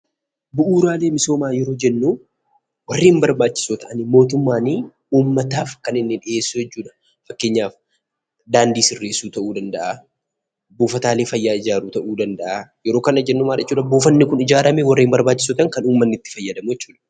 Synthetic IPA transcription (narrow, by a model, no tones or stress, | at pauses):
bʊʔuːɾaːle̞ːmɪso̞ːmaːjɛɾo̞ːd͡ʒɛnːu | wɐrːiːmbɐɾbaːt͡ʃːɪ̥sot̪ɐʔɐnɪmo̞ːt̪ʊmːaːni | uːmːɐt̪aːfkɐnɪnːɪᶑɪʔe̞ːsːʊjɛt͡ʃːuːᶑɐ̥ | fɐkːeːɲːaːf | d̪aːnd̪iːsɪrːe̞ːsuːt̪ɐʔuːd̪ɐnd̪ɐʔa | buːfɐt̪aːle̞ːfɐjːaːɪd͡ʒaːɾuːt̪ɐʔuːd̪ɐnd̪ɐʔajɛɾo̞ːkɐnɐd͡ʒɛnːumaːɾɐɛt͡ʃːuːᶑɐbuːfɐnːɪkʊnɪd͡ʒaːɾɐmɛwɐrːiːmbɐɾbaːt͡ʃːɪ̥sot̪ɐŋkɐnuːmːɐnːɪt̪ːɪ̥fɐjːɐd̪ɐmʊjɛt͡ʃːuːᶑɐ̥